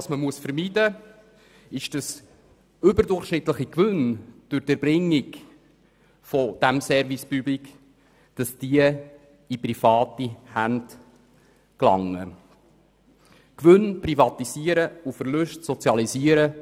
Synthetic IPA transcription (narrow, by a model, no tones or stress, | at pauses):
ɑsməmuəsfəɾmidə | ɪʃd̥ɑs | ʏbəɾdʊrχʃnɪt̪ləχikʋʏnd̥ʊɾd̥əɾbrɪŋːik | fɔd̥æmsɛɾvispyblik | d̥ɑsd̥iə | iprifɑːtihænd | klɑ̰ŋːə | kʋʏnprifɑt̪isiːəɾəufəɾlʉʃtsɔt͡sjɑlisiəɾə